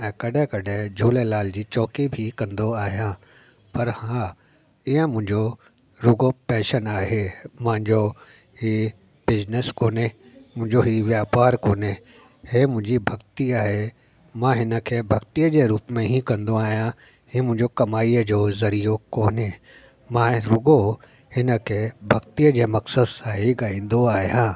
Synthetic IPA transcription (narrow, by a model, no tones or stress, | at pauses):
ɛ̃ːkɐɗɛ̃kɐɖʱẽd͡ʑʱoːlelaːld͡ʑiːt͡ɕɔːkibʱikɐ̃nd̪oaːɦijã | pɐɾhãː | iə̃mʊ̃ɦɪ̃ɲd͡ʑo | ɾʊɡopɛ̃ːʃənaːɦemãɦɪ̃ɲd͡ʑo | hi | bɪznəskoːne | mʊ̃ɦɪ̃ɲd͡ʑoɦiʋjaːpaːɾkoːne | ɦemʊ̃ɦd͡ʒibʱɐɡt̪ijaɦe | mãɦɪnəkʰebʱɐkt̪ijəd͡ʒeɾuːpmẽɦĩkɐ̃nd̪õaːjã | ɦĩmʊ̃ːd͡ʒokɐmaːid͡ʒozɐɾijokoːne | mãɾʊɡo | hɪnəkʰebʱɐkt̪ijəd͡ʒemɐksəd̪saːɦeɡaːĩnd̪oaːjãː